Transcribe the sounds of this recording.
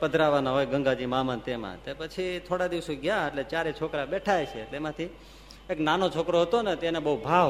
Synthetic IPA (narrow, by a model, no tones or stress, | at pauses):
pəd̪ʱɾaʋanaɦojɡəŋɡad͡ʒimamant̪emã̰t̪epət͡ʃʰit̪ʰoɽad̪iʋsoɡjãeʈlet͡ʃaɾet͡ʃʰokɾabɛʈʰajt͡ʃʰeːʈleemãt̪ʰi | eknanot͡ʃʰokɾoɦət̪onet̪enebəɦubʱaʋ